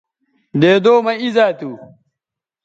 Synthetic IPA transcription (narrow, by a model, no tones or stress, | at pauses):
d̪eːd̪oːmɐizaːt̪uː